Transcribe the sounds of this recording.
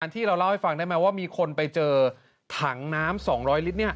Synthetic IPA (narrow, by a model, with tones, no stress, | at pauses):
a˧nt̪ʰiː˥˩ɾa˧wla˥˩wha˥˩fa˧ŋdaː˥˩ma˦˥waː˥˩miː˧kʰo˧npa˧jt͡ɕɤː˧ | t̪ʰa˩˦ŋnaː˦˥msɔː˩˦ŋɾɔː˦˥jli˦˥t̪̚ni˥˩ɐ